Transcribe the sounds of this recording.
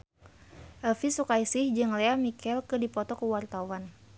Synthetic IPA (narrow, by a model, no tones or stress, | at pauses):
ʔəlfisukajsɪhd͡ʒɨŋleamikɛlkɨdipɔt̪ɔkəwart̪awan